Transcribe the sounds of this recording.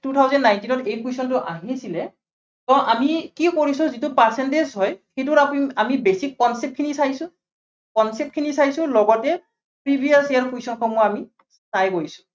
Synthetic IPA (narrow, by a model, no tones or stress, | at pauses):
tutʰawzɔndːajntinɔtejpʰuisɔntʊʔa̰ɦiasilɛ | tɔʔamikikoɹisɔzitʊpaɹsɛntezɦɔjxejtʊɾaamibesikːɔnsɛp̚kʰinisajsʊ̃ | kɔnsɛp̚t̚kʰinisajsʊ̃lɔɡɔtɛ | pɹibʱijaɹsijaɹpʰuisɔnkʰɔmɔami | sajkoɹisʊ̥